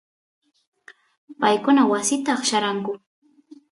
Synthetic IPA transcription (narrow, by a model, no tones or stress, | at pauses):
pajkʊnawasɪt̪ɑχʃaɾaŋkʊ